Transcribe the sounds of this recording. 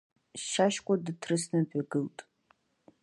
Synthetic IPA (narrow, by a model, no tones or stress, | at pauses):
ʃaʃkʷʼadɨtʰrɨsnɨbʷʼᶣaɡɨltʼ